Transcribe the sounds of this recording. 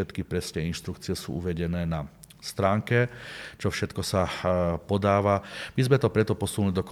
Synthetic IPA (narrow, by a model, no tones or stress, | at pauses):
ɛt̪kipɾɛsɲɛinʃt̪ɾukt͡siɪɛsṵːʔuʋɛɟɛnɛːna | st̪ɾaːŋkɛt͡ʃɔfʃɛt̪kɔsapɔd̪aːʋamizmɛt̪ɔpɾɛt̪ɔpɔsunlid̪ɔkɔ